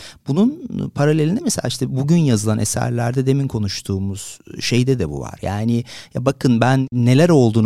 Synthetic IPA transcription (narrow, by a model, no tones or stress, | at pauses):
bununpʰaɾalʲelʲind̪ɛmeselʲaːiʃt̪ʰɛbuɟynjazɯlˠanʔḛsæ̰ɾlʲæɾd̪ɛd̪e̞minkʰo̞nuʃt̪ʰuːmuz̥ʃe̞jd̪ɛd̪ɛbṵva̰ɾjaːnɪja̰bakʰɯnbænːe̞lʲæɾo̞lˠd̪uːn